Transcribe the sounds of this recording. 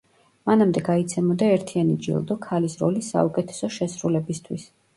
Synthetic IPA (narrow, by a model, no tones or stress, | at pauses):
manamd̪ɛɡait̪sʰɛmɔd̪aɛɾt̪ʰianid͡ʒḭlˠd̪ɔkʰalisɾɔ̰lisːa̰ukʼɛt̪ʰɛ̥sɔʃɛsɾulɛbist̪ʰwis